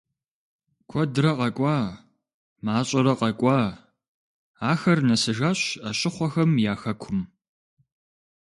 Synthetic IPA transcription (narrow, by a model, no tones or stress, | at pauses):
kʷʰɔdɾɐqɐkʷʼɑː | maːɕʼɐɾɐqɐkʷʼɑː | aːxɐrnɐsɨʒaɕɐɕʼɪχʷɔxɐmjaːxɐkʷʰʊm